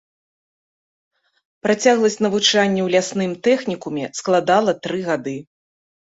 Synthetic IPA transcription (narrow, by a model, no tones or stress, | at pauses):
pɾat͡sʲaɣlˠɐsʲnɐvut͡ʂanʲːɛwlʲasnɨmt̪ɛxnʲikumʲɛsklˠad̪alˠɐt̪ɾɨɣad̪ɨ